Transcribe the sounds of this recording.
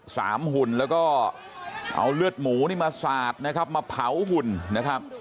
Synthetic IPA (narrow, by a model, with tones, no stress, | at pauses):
sa̰ː˩˦mhu˨˩nlɛː˦˥wkɔː˥˩ | ʔa̰˧wlɯ˥˩ət̪̚muː˩˦niː˥˩maː˧saː˨˩t̪̚na˦˥kʰa˦˥p̚maː˧pʰa˨˩˦wɦu˨˩nna˦˥kʰɾa˦˥p̚